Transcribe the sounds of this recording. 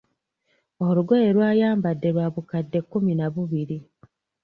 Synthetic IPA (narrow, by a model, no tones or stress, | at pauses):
oɾuɡoje̞ɾwaːjaːmbadːe̞ɾwaβukadːe̞kːuminaβuβiɾi